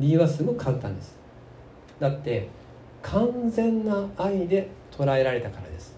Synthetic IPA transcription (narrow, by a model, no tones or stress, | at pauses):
ɾʲiːβasɨmokʰãnt̪ã̰nd̪esɨ̥ | d̪at̪ːe̞ | kʰãnzẽ̞nːaːid̪e̞t̪ʰo̞ɾae̞ɾaɾe̞t̪akaɾa̰d̪e̞sɨ̥